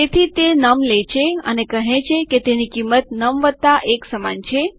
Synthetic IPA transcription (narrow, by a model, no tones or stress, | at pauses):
et̪ʰit̪enəmlet͡ʃʰeə̰nekəɦẽt͡ʃʰeket̪enikimːət̪nəmʋəd̪̚t̪aʔeksəma̰nt͡ʃʰe